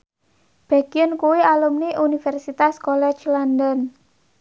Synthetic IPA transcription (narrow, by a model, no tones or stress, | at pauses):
b̥a̤ɡ̥iənkuwialumniʔunifɛrsit̪askolɛt͡ʃlandən